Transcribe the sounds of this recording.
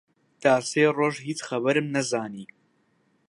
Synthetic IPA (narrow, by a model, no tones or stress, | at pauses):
t̪aːseːroːʒɦiːt͡sxɐbɐɾɨmnɐzaːniː